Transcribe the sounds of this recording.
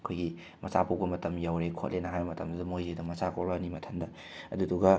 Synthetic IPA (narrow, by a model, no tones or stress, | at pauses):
ɐkʰojɡi | mɐt͡ʃapubɐmɐtɐmjawɾekʰo̰tlʔenɐɦajbɐmɐtɐmdɐdɐmojzedɐmɐt͡ʃakʰolbɐnimɐtʰɐndɐ | ɐduduɡɐ